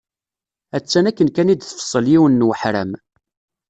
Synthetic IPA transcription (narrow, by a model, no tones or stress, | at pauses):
æt͡sːænækːənkænid̪θfə̥sˤːəljiwənːwəħɾæ̰m